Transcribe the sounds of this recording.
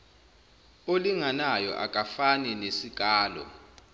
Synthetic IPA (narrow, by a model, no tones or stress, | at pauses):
oliŋanajɔ̰ʔa̰kʼafanɛnesik̬ʼaːlɔ̰